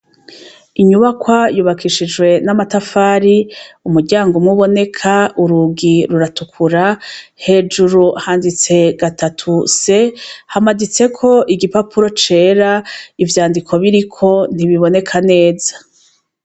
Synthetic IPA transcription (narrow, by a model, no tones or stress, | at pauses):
iɲuβakwajuːβakʰiʃid͡ʒwe̞namatafaːɾiumuɾɟaːŋɡomŋuβo̞ne̞kʰauɾuɡiɾuɾatukʰuɾahe̞ːd͡ʒuɾuhaːndit͡se̞ɡatatʰuse̞hamadit͡se̞kʰo̞ʔiɡipapʰuɾo̞t͡ʃe̞ːɾaivjaːndikʰo̞βiɾikʰo̞n̥iβiβo̞ne̞kʰane̞ːzḁ